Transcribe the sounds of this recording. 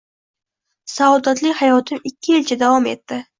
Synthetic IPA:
sad̪at̪lɪkʲhajɒt̪ʰɪmɪkʲʰːɪelt͡ʃʰad̪avɒme̞t̪ːɪ

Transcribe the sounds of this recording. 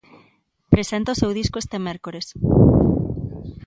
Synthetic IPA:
pɾesent̪ɐosewðiskoest̪emeɾkoɾes

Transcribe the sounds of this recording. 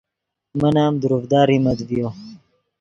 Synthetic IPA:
mənaːmd̪uɾufd̪aːɾimɐd̪vijo

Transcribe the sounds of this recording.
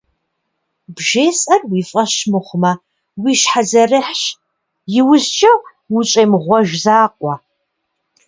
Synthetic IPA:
bʒeːsʼɐrwiːfʼɐɕmɨχʷmɐ | wiːʃħazɐrɨħɕ | jɪwʊzt͡ʃʼɐ | wʊt͡ʃʼeːmʁʷɔʒzaːqʷʼɑ

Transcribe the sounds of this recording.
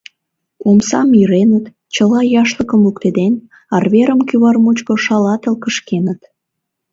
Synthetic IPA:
omsɑmiɾenət̪ | t͡ɕəlɑjɑʃləkəmlukt̪ed̪en | ɑrβeɾəmkyβɑrmut͡ɕkoʃɑlɑt̪əlkəʃkenət̪

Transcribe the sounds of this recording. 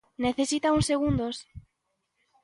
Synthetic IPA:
neθesit̪auŋseɣund̪os

